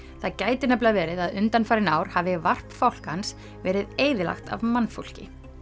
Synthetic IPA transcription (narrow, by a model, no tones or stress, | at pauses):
θaðcaːjt̪ɪnɛplavɛːɾɪðaðʏnt̪anfaːɾɪnaːwɾ̥havɪvar̥pfawl̥kans | vɛːɾɪðeːjðɪla̰xt̪a̰vmanːfo̰wl̥cɪ̰